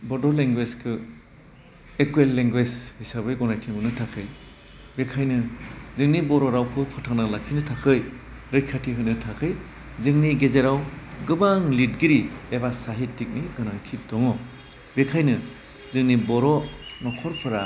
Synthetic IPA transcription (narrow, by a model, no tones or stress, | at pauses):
bɔdɔleŋɡweskʰɯ | ekuelːeŋɡwed͡ʒhisabɯjɡɔnajtʰimɯnɯtʰakʰɯj | bekʰajnɯzɯŋnibɔɾɔɾawkʰɯpʰɯtʰaŋnalakʰinɯtʰakʰɯj | ɾɯjkʰatʰiɦɯjnɯtʰakʰɯj | zɯŋniɡezeɾawɡɯbaŋlitɡiɾiebasaɦittːik̚niɡɯnaŋtʰip̚dɔŋɔ | bekʰajnɯ | zɯŋnibɔɾɔnɔkʰɔɾpʰɯɾa